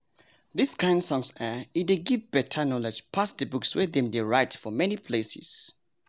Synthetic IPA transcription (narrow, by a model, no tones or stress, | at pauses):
ðiskʰãɪ̃ndsɔ̃ŋsəideɡivbɛtʰənɔlɛd͡ʒpʰasdəbukswɛðɛ̃mdeɹaɪtfɔmɛnipʰlesḭs